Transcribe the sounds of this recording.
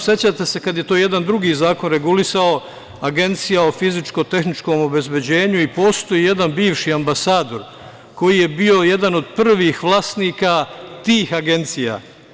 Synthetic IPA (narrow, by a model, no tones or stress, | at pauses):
set͡ɕaːt̪e̞se̞kad̪je̞t̪o̞ːje̞d̪and̪ɾuɡiːzaːko̞nɾe̞ɡulisao̞ | aɡe̞nt̪sijao̞fizit͡ʃko̞t̪e̞xnit͡ʃko̞ːmo̞be̞zbe̞d͡ʑe̞ːɲuipo̞ːst̪o̞jiːje̞d̪anbiːʋʃiambasaːd̪o̞ɾ | ko̞jije̞bio̞je̞d̪ano̞d̪pr̩ʋixʋlˠaːst̪niːkat̪iːxaɡe̞nt̪sija̰